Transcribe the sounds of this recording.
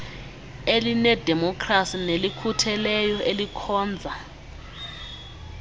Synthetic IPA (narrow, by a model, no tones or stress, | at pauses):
elinɛd̥ʱɛmɔkʰrasinelikʰutʰɛlɛjɔʔelikʰɔːnd͡zʱa